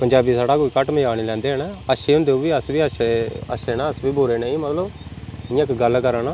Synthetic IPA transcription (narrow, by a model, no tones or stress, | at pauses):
pəɲd͡ʒaːbiːsaːɽaːkoːiːkəʈməjaːɽ̃iːlɛ̃ːnd̪eːnaːəʃeːɦʊ̃nd̪eːuːʋiːəsʋiːəʃeəʃeːnaːəsʋiːbʊːɾeːnẽːĩːmət̪ləbɪãkɡəlkəɾaːnaː